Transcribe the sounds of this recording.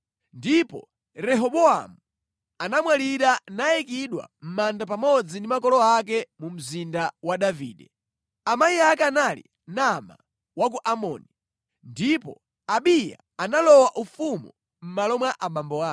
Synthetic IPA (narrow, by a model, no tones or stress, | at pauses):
ndipɔ̰ | ɾɛɦɔɓɔa̰mu | anamwaliɾanajɛkiɗwa̰m̩mandapamɔd͡zindimakɔlɔak̬ɛmum̩zindawaɗavḭːɗɛ | amaiak̬ɛanalḭ | nama̰ | wak̬uʔamɔ̰ːni | ndipɔ̰ | aɓija̰ | analɔwaʔufumu | m̩malɔmwaʔamambɔaː